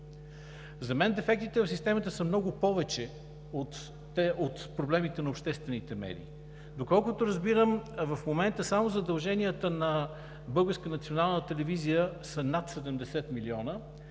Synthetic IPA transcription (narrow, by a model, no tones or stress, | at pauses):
zɐmɛnd̪ɛfɛk̚t̪it̪ɛvəfsʲist̪ɛmət̪əsəmnɔɡʊpɔvɛt͡ʃɛ | ot̪ | ɛot̪pɾoblɛmit̪ɛnɐopʃt̪ɛst̪vɛnit̪ɛmɛ̰ɾḭ | d̪okɔlˠkʊt̪oɾəzbiɾəmvɐfmomɛnt̪əsamozɐd̪ɐlˠʒɛnijət̪ənɐ | bɤlˠɡəɾskənɐt̪sionalˠnət̪ɛlɛvizijəsənat̪sɛd̪ɛmd̪ɛsɛt̪miliɔnə